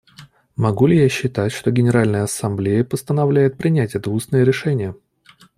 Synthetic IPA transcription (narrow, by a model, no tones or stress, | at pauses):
mɐɡulʲɪjaɕːɪt̪atʲʂt̪oɡʲɪnʲɪɾalʲnəjəɐsɐmblʲejəpəst̪ənɐvlʲæjɪt̪̚pɾʲɪnʲætʲɛt̪əusnəjəɾʲɪʂɛnʲɪjə